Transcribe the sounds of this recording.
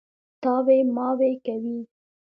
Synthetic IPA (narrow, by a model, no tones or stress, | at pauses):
t̪ɑwemɑwekawi